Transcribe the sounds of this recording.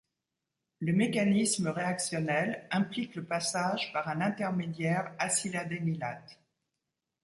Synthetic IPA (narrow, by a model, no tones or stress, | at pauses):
ləmekanisməʁeaksjɔnɛlɛ̃plikləpasaʒpaʁɛ̃nɛ̃t̪ɛʁmed̪jɛʁasilad̪emilat̪